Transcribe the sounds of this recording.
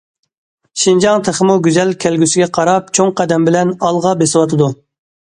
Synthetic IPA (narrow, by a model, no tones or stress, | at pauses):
ʃind͡ʒɑŋt̪ʰəχəmuɡʲyzɛlkʲʰælɡʲysɪɡʲɛqʰɑɾɑp̚t͡ʃʰoŋqæd̪ɛmbɪlɛnɑlˠʁɑbesɪwɑt̪ʰɨd̪u